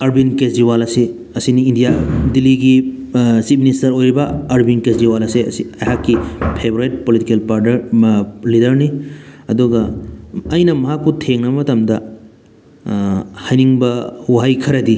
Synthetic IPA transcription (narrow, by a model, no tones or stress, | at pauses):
ɐɾbinkesdiwalɐse | ɐsiniːndijadilːiɡi | sit̚ministɐɾojɾibɐːɾbinkesdiwalɐseɐ̰siɐjɦakːipʰeboɾejt̚politikelpaɾdɐɾlidɐɾniɐduɡɐː | jnɐmɐɦakːutʰeŋnɐɐmɐtɐmdɐ | hajniŋbɐhuɦajkʰɐɾɐdi